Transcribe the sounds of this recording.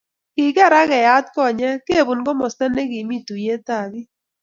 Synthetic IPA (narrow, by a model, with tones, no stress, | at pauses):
kɪ˨ɡɛ˦˨ɾa˦kɛ˨ja˦tkɔ˦˨ɲɛ˦ke˦˨bu˨nɡɔ˦mɔ˨stɛ˦ne˦ki˨mi˦tu˨je˦ta˦˨ɡɪ˦